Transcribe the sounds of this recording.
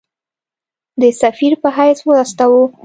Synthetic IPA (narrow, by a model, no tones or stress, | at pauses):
d̪əsafiɾpəɦajswɾast̪awo